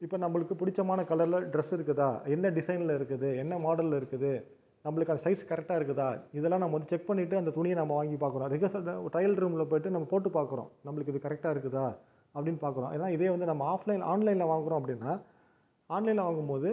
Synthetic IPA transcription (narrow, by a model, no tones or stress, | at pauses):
ɪpːonɐmːɐɭɯkːɯpʊɽɪt͡ʃːɐmaːnɐkɐlɐɾlɐɖɾɛsɪɾɯkːɯðãːɛnːɐɖɪsɐɪnɪlɪɾɯkːɐðɯɛnːɐmoːɽɐllɪɾɯkːɯðɯ | nɐmːɐɭɯkːɐnd̪ɐsɐɪskɐɾɛk̚ʈːaːɪɾɯkːɯðaːɪðɛlːãːnɐmːɐʋɐnd̪ɯt͡ʃɛk̚pɐɳːɪʈːɯɐnd̪ɐt̪ʊɳɪjɐnɐmːɐʋaːŋɡipaːɾkːɯɾõɾɪɣɐsʈɾɐjɐlɾuːmlɐp̬oːjʈːɯnɐmːɐpoːʈːɯpaːɾkɯɾõ̰nɐmːɐɭɯkːɯɪðɯkɐɾɛk̚ʈaːɪɾɯk̬ːɯðaː | ɐpːɐɽɪnːɯpaːɾkɯɾõɐ̰nːaːɪðeːʋɐnd̪ɯnɐmːɐaːflɐɪnʔa̰ːnlɐɪnlɐʋaːŋɡɯɾõːɐp̬ːɐɽɪnːaː | aːnlɐɪnlɐʋaːŋɡɯmpoːðɯ